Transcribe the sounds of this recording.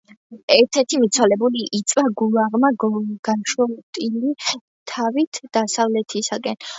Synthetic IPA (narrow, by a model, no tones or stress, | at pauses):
ɛɾt̪ʰɛɾt̪ʰimit̪sʰwalɛbuliʔit̪sʼwaɡulˠaʁmaɡɡ̥aʃɔmt̪ʼili | t̪ʰavit̪ʰd̪̥asavlɛt̪ʰisaɡʼɛn